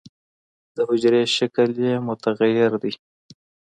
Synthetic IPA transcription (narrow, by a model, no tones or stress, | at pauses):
d̪̥əhʊd͡ʒɾeʃakəljemʊt̪aɣajɪɾd̪i